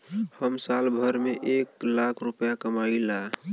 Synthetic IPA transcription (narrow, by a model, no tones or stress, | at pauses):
həmsaːlbʱəɾmeʔeːklakʰɾʊpjakəmaila